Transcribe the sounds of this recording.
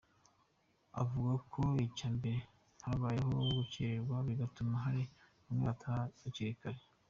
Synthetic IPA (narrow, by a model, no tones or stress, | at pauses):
a̰vuɡakʰoicaːmbe̞ɾe | haβaːjehoɡuceɾeɾɡwaβiɡatumaɦaɾi | umŋeatʰaaciɾikaɾe